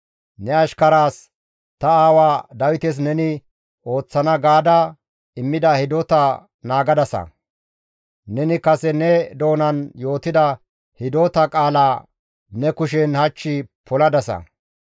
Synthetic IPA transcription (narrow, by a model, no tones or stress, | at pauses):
nɛɐʃkɐɾaːs | t̪ɐaːwaːd̪ɐwɪt̪ɛs̬nɛnɪ | o̞ːt͡sːɐnɐɡaːd̪a | ɪmːɪd̪ɐhɪd̪oːt̪ɐ | naːɡɐd̪ɐsɐ̰ | nɛnɪkɐsɛnɛd̪o̞ːnɐnjo̞ːt̪ɪd̪ɐ | hɪd̪oːt̪ɐkʼaːlaː | nɛkʊʃɛnhɐt͡ʃːɪpʰɔlɐd̪ɐsɐ̰